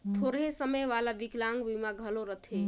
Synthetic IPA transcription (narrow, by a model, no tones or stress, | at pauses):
t̪ʰoɾɦesəməjʋalaʋiklaŋɡʋimaɡʱəloɾət̪ʰe